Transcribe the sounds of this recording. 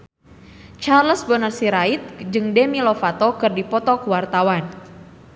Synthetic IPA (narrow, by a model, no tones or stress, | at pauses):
t͡ʃarləsbənərsiɾait̪̚d͡ʒɨŋdɛmilɔfat̪ɔkɨrdipɔt̪ɔkuwart̪awan